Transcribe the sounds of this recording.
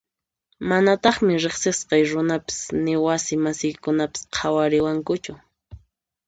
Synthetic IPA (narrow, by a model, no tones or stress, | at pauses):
manat̪ɑχmɪɾɪχsɪsqɑjɾʊnapɪ̥snɪwasɪmasɪjkʊnapɪ̥sqʰawaɾɪwaŋkʊt͡ʃʊ